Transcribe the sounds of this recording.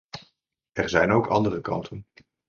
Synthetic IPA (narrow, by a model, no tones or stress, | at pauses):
ɛrzɛjnowkʰɑ̰ndərəkɑ̰ntʰən